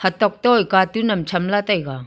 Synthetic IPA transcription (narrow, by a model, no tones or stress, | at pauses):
hɐt̪ɔk̚tɔjkatunɐmt͡ʃʰɐmlatajɡa